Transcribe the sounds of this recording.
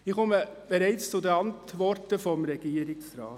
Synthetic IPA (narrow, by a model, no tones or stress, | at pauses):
ɪkɔməb̥eɾɛɪt͡st͡sʊdəɑntʋɔɾtəfɔmɾɛɡ̥iːəɾɪksɾɑ̰ːt